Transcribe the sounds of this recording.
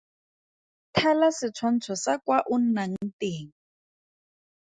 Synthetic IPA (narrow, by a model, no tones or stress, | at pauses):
tʰɛlasɪt͡sʰwan̩t͡sʰɔsakwaʔun̩naŋ̩teːŋ̩